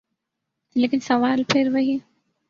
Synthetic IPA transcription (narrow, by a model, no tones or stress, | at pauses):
leːkɪnsɐʋaːlpʰɪɾʋɐɦi